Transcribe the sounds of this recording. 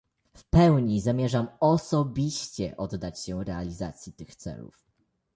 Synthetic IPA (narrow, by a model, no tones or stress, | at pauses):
fpɛwɲizamʲjɛʐamɔsɔbʲiɕt͡ɕɛ̰ʔɔd̪ːat͡ɕɕɛɾɛalʲizat̪sʲjit̪ɘxt̪sɛ̰lṵf